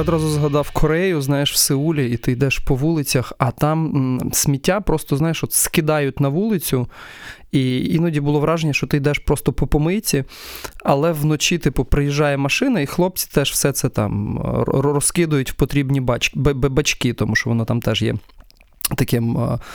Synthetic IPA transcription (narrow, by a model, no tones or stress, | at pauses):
ɔd̪ɾɑzʊzɦɐd̪ɑwkʰɔɾɛjʊznɑjeʃw̥seulʲɐit̪ɪjd̪ɛʃpɔʋulˠɪt͡sʲɐxɐt̪ɑmsʲmʲitʲːapɾɔst̪ɔznɑjeʃʋɔt̪skɪd̪ɑjʊt̚ʲnɐʋulˠɪt͡sʲʊ | iinɔdʲibʊlˠɔʋɾʔɑʒenʲːɐʃt͡ʃɔt̪ɪjd̪ɛʃpɾɔst̪ɔpɔpɔmɪt͡sʲiɐlˠɛwnɔt͡ʃʲit̪ɪpʊpɾɪjɪʒːɑjɛmɐʃɪnɐixlˠɔp̚t͡sʲi̥t̪ɛʃwsɛt̪sɛt̪ɑ̰m | ɾɔskɪd̪ʊjʊtʲwpɔt̪ɾʲibnʲibt͡ʃbbebɐt͡ʃkit̪ɔmuʃt͡ʃɔʋɔnɔt̪ɑmt̪ɛʒjɛ̰ | t̪ɐkɪm